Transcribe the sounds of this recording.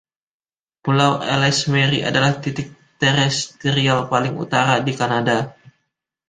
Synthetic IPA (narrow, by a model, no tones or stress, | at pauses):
pulawɛ̰lɛsmɛɾiʔa̰dalaht̪it̪ɪk̚t̪ɛɾɛst̪eɾialpalɪŋṵt̪aɾadikanada